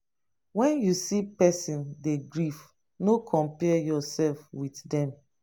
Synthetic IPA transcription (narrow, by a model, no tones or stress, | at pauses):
wɛ̃njusipɛsĩndeɡɹif | nokʰɔ̃mpɛjɔsɛlfwitdɛ̃m